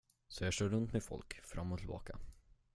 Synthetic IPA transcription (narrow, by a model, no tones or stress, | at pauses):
sɔjɑːɡʂœːɾɵnt̪mɛd̪fɔ̰lkfɾamːɔt̪ʰɪlbɑ̰ːka